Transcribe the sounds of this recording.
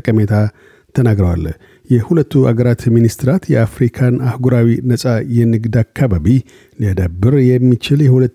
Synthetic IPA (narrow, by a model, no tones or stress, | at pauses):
kʼəmet̪ʰa | t̪ʰənaɡɾəwa̰l | jɛhulət̪ʰːuʔa̰ɡəɾat̪minist̪ɨɾat̪jɛafɾikʰanahɡuɾawinəsʼajɛnɨɡd̪akʰːaβaβi | liad̪abːɨɾjɛmːit͡ʃɪljɛhulət̪ː